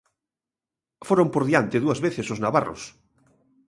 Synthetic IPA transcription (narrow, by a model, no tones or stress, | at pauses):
foɾompoɾðjant̪ɪðuɐzβeθesoznaβa̰ro̰s